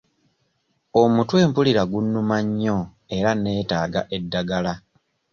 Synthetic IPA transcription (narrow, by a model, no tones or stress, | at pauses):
omutwe̞ːmpuliɾaɡunːumaɲːo | e̞ɾane̞ːtaːɡa̰ʔe̞dːaɡala